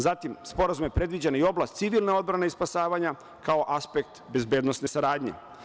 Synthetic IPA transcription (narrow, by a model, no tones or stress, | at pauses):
zat̪imspo̞ɾazumje̞pɾe̞d̪ʋid͡ʑenio̞blˠast̪siʋilˠnao̞d̪bɾaneispasaːʋaɲa | kao̞ʔaspek̚t̪be̞zbe̞ːd̪nosne̞saɾaːd̪ɲḛ